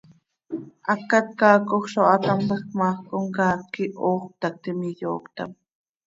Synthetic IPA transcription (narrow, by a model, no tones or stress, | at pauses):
akat̪̚kaːkoχʃoat̪ampeχmaχkoŋkaːkɪʔoːχt̪ak̚t̪ɪmɪʎo̰ːkt̪a̰m